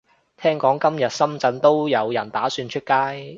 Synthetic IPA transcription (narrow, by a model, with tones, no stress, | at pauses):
t̪ʰɛː˥ŋkɔː˨˥ŋkɐ˥mjɐ˨t̚sɐ˥mt͡sɐ˧nt̪o˥wjɐ˨˧wjɐ˨˩nt̪aː˨˥syː˧nt͡ʃʰɵ˥t̚kaː˥j